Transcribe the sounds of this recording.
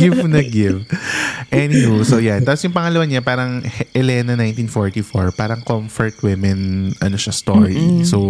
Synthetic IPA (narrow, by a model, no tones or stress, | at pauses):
ɡɪvnɐɡɪvʔɛnimusojant̪aːpɔsjʊŋpɐŋɐlɐwaɲapaːɾɐŋhɛlɛnɐnajnt̪infoɹt̪ifoɹpaːɾɐŋkomfɔɹt̪wɪmɛnʔɐnoʃɐst̪oɹiso